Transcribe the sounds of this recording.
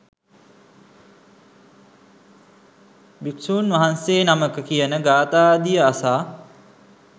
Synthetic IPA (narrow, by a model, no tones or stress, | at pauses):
biksuːnʋaɦanseːnaməkəkijənəɡaːt̪aːd̪ijəasaː